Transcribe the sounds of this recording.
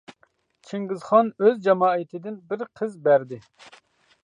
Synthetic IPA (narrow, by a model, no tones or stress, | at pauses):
t͡ʃʰiŋɡɪzχɑnøzd͡ʒɑmɑːɨt̪ʰɪd̪ɪnbɪɾqʰəzbæɾd̪ɪ